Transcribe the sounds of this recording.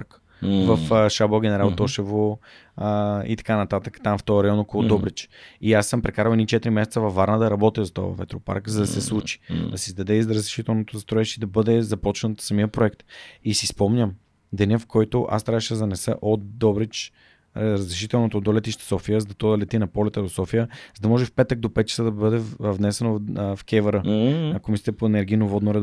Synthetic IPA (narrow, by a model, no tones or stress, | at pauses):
k | vɐfʃabˠoɡʲɛnɛɾalˠt̪ɔʃɛvo | əḭt̪ɐ̥kanɐt̪at̪əkt̪amft̪ɔjəɾɐjɔnɔkolˠʊd̪ɔbɾit͡ʃiasːəmpɾɛkaɾəlɛnʲit͡ʃɛt̪iɾimɛsɛt̪səvɐfːaɾnəd̪ɐɾɐbɔt̪izɐt̪ɔ̰v̰vɛ̰t̪ɾopa̰ɾkzɐd̪ɐsɛslˠut͡ʃi̥dd̪ɐsizd̪ɐd̪ɛizɾəzɾɛʃit̪ɛlˠnot̪ʊzɐst̪ɾɔɛʃid̪ɐbɤd̪ɛzɐpɔt͡ʃnət̪sɐmiəpɾoɛkt̪isispɔmɲʲəm | d̪ɛnʲɛfkʰɔjt̪oʔa̰st̪ɾaəʃɛzɐnɛsə̰ʔot̪d̪ɔbɾɛt͡ʃ | ɾəzɾɛʃ̬it̪ɛlˠnot̪od̪olɛt̪iʃt̪ɛ̥sɔfiəzd̪ɐt̪ɔd̪ɐlɛt̪inɐpɔlɛt̪əd̪osɔfijəzɐd̪ɐmɔʒɛfpɛt̪ək̚d̪opɛt̪̚t͡ʃɐ̥səd̪ɐbəd̪ɛvnɛsɛnofkʲɛvəɾəɐkomist̪ɛpoɛnɛɾɡ̟ijnovɔd̪noɾɛ